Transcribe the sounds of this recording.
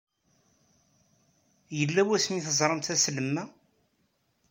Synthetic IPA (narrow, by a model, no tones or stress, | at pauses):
jəlːæwæsmiθəzˤɾˤəmt̪æsləmːæ